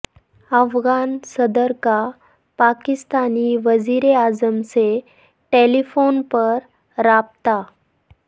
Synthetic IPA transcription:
əfɡansəd̪əɾka | pakist̪aniːʋəd͡ziɾeazəmse | ʈelifonpəɾː | ap̚t̪a

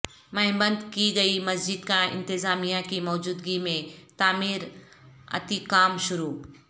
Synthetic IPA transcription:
mɐɦbə̃nd̪kiɡɐimɐsd͡ʒɪd̪kãɪ̰̃nt̪ɪzaːmijãkimɔːd͡ʒuːd̪ɡimẽt̪aːmiːɾ | ɐ̰t̪ikaːmʃʊɾuː

